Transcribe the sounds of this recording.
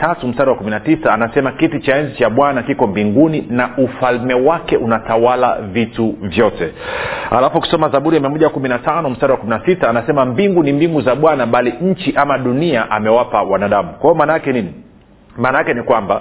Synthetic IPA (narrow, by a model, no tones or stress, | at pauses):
tatum̩staɾiwakuminatisaːnasɛmakitit͡ʃaɛnzit͡ʃaɓwanakikɔmbiŋɡuninaufalmɛwakɛʔunatawala̰vituvjɔtɛa̰lafuki̥sɔmazaɓuɾiamiamɔʄawakuminatanɔm̩staɾiwakuminasitaːnasɛmambiŋɡunimbiŋɡuzaɓwanaɓaliɲ̩t͡ʃiʔamaɗuniaʔamɛwapawanaːɗamukwaijɔmaːnajakɛnini | maːnajakɛnikwamba